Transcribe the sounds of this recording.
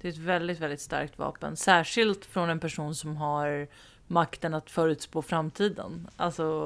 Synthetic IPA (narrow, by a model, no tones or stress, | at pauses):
d̪̥ɛɛt̪vɛld̪ɪt̪vɛld̪ɪt̪st̪a̰ɾk̚t̪vɑ̰ːpə̰nsæːʂɪlt̪fɾɔnɛnpæʂuːnsɔmɦaɾ | makt̪ənat̪fœːɾʉ̟t̪spoːfɾamːt̪ʰiːd̪ə̰nalsɔ